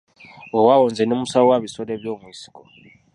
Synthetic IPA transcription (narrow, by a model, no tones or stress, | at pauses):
wɔwawɔnd͡zɛnomusawɔwaβisɔleβjomwisi̥kʼɔ